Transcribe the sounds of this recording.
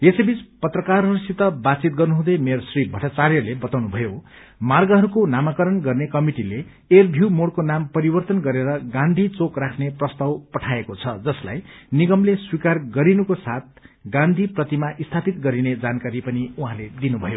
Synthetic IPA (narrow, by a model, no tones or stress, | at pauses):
esebit͡spʌt̪rʌkarɦʌɾusit̪ʌbad̪t͡sit̪̚ɡʌrnuɦũd̪ʌjmersribʱʌʈat͡sarjʌlebʌt̪awnubʱʌjo | marɡʌɦʌɾukonamakʌɾʌnɡʌrnekʌmiʈileː | rbʱuwmoɽkonampʌɾibʌrt̪ʌnɡʌɾeɾʌɡãnd̪ʱit͡sokrakʰneprʌst̪awpʌʈʰaekot͡sʰʌd͡zʌsla̰jniɡʌmleswikarɡʌɾinukosat̪̚ɡãnd̪ʱiprʌt̪imaʔist̪ʰapit̪ɡʌɾined͡zankaɾipʌniuɦãled̪inubʱʌjo